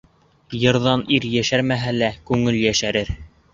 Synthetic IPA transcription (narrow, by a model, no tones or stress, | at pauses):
jɤ̆ɾðɑniɾjæʃæɾmæɦælækʉŋɘljæʃæɾɘɾ